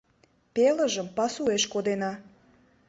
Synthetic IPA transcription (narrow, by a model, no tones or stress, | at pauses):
peləʒəmpɑsueʃkod̪enɑ